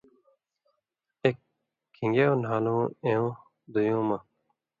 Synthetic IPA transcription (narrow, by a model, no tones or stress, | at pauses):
ekʰː | ĩŋɡeõːnaːlõːẽõː | d̪ujõːma